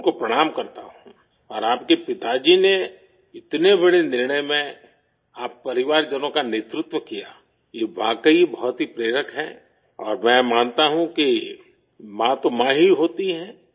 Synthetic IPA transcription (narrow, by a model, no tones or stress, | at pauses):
ʊnkopɾɐɽ̃aːmkɐɾt̪aɦũː | ɔːɾaːp̚kepɪt̪ad͡ʒine | ɪt̪nebɐɽenɪɾɳəjmẽ | aːpːɐɾɪʋaːɾd͡ʒɐnõkaneːt̪ɾʊt̪wəkijaː | jeːʋaːkəibɔɦʊt̪ɦipɾeːɾəkɦɛ̃ː | ɔːɾmɛ̃ːmaːnt̪aɦũki | mãt̪omãːɦiɦoːt̪iɦɛ̃ː